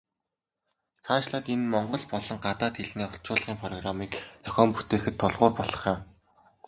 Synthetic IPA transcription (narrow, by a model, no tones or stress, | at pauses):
t͡sʰaːʃɮaːt̪enmɔɴɢɞ̆ɮpɔɮɞ̆ŋɢat̪aːt̪xeɮniːʊɬt͡ɕʊːɮʁ̥iːŋpʰrɔɣramiːkjɔxʲɔːmpu̥t̪eːxɘ̆t̪ʰːʊɮʁʊːrpɔɮɞ̆χjɪ̆w